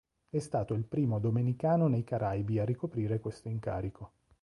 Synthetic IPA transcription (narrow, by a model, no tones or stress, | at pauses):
ɛst̪aːt̪oilpɾiːmod̪omenikaːnonejkaɾʔajbiarːikopɾiːɾekwest̪oiŋka̰ːɾikʰo